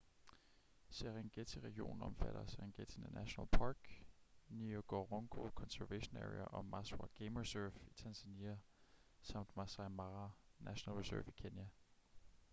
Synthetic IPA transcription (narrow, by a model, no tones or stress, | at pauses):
seʁeŋɡ̥et͡sʰiʁɛɡ̥io̝̰ːn̩ɒ̽mfæɾ̥ɐseʁeŋɡ̥et͡sʰinənæɕonælpʰɑːɡ̥nioɡ̥oʁoŋɡ̥ʰo̝kʰɒ̽nsæɐʋeɕonæʁiɐʔɒ̽mɑswɑɡ̥eɪmʁisøfit͡sʰænsæniæsɑ̈m̰d̥mɑsɑ̈mɑnæɕonælʁisœɐfikʰenjæ